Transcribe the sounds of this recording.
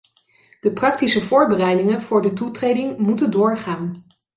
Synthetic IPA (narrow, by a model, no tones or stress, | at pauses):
d̥əprɑk̚tisəvʊːɹbərɛjdɪŋənv̥ʊːɹdətutrejdɪŋmutəndʊːɹχaːn